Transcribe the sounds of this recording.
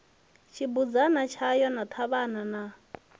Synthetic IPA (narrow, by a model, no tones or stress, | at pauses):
t͡ʃʰibud͡zanat͡ʃʰajɔnat̪ʰaβanana